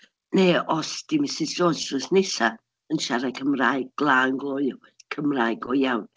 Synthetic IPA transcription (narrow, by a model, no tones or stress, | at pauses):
neːɔsd̥imɪsɪd͡ʒoːsʊsnɪsa | ənʃaɾakʰəmraːɨɡ̚ɡ̥lˠaːŋɡlˠɔɨ | kʰəmraːjɡɔjawn